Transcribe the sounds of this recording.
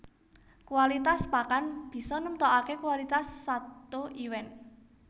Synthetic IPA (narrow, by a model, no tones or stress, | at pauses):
kwalit̪aspakanb̥i̤sɔnumt̪ɔʔakekwalit̪asːat̪oʔiwɛn